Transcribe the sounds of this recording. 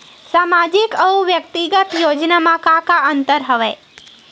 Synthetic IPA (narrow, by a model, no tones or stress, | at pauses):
samad͡ʒikəuʋjək̚t̪iɡət̪jod͡ʒnamãkakaənt̪əɾɦəʋe